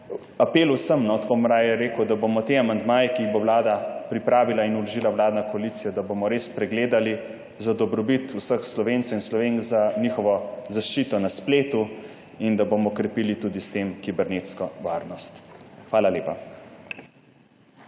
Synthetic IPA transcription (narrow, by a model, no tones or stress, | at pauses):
apeːlusəmnɔt̪komɾajɛɾeːkəwd̪abomɔt̪eːamand̪maːjɛkiːɣbowlaːd̪apɾipɾaːʋilainulɔʒilawlaːd̪nakɔalit̪sijad̪abomɔɾespɾɛɡleːd̪ali | zad̪ɔbɾɔbit̪usəxslɔʋeːnsɔinslɔʋeŋkzanixɔʋɔzaʃt͡ʃiːt̪ɔnaspleːt̪u | ind̪abomɔkɾɛpiːlit̪uːd̪ist̪emkibɛɾneːt̪skɔʋaːɾnɔst̪xʋaːlaleːpa